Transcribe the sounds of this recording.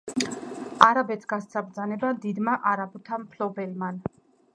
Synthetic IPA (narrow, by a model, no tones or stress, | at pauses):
aɾabɛt̪sʰɡ̥ast̪sʰabɾd̪zanɛbad̪id̪maʔaɾabut̪ʰampʰlɔbɛlman